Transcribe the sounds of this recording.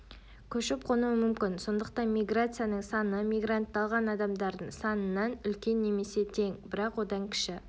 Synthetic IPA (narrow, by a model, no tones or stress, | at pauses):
kʲʰɵʃɪp̚qʰonuəmʏmkʲɪnso̞nd̪əq̚t̪ɑnmʲijɡrat̪sɨjanəɴsɑnəmʲijɡrant̪ːɑlˠʁɑnɑd̪ɑmd̪ɑɾd̪əɴsɑnənːɑnʏlkʲe̞nːe̞me̞se̞t̪ʰe̞ŋbɪɾɑqwo̞d̪ɑŋkʲʰɪ̥ʃɪ